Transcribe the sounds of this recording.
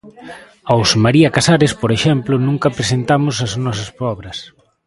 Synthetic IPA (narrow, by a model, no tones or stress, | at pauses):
awsmaɾiɐkasaɾespoɾeʃɛmplʊnũŋkɐpɾesent̪amʊsɐznɔsɐspɔβɾɐs